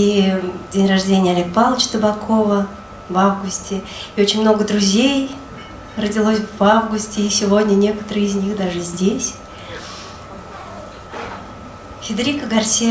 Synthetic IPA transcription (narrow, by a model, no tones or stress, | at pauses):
idʲenʲrɐʐdʲenʲɪjəɐlʲek̚palˠət͡ɕt̪əbakʰovə | vavɡʊsʲtʲɪ | iot͡ɕɪnʲmno̞ɡəd̪ɾʊzʲej | rədʲɪlˠosʲvavɡʊsʲtʲɪisʲɪvodʲnʲənʲe̞kət̪əɾɨɪzʲnʲixd̪aʐɨzʲdʲesʲ | xʲɪd̪ɾʲikəɡɐrsʲi